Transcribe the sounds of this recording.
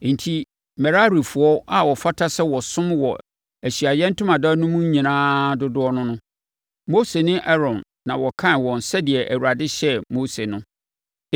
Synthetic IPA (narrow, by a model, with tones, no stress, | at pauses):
n̩˨tʰi˦ | mɛ˨ɾa˦ɾi˨fʊ˨ɔ˦ʔa˨wɔ˨fa˦tʰa˦sɛ˦wɔ˨sʊ̃˦mwɔ˨ | æ˨ɕi˨a˨jɛ̃˦n̩˦tʰʊ˦mã˨da˦nʊ̃˦mũ˦ɲ˦ɲĩ˨nãː˦dʊ˦dʊ˦ɔ˦nʊ̃˦nʊ̃˦ | mo˦se˨nɪ̃˦ʔɛ˦ɾɔ̃˨nːã˨wɔ˨kʰã˦nwɔ̃˨n̩˨sɛ˦dɪ˨ɛ˨ʔæ˨wu˨ɾa˨dɪ˦ɕɛ˦mo˦se˨nʊ̃˦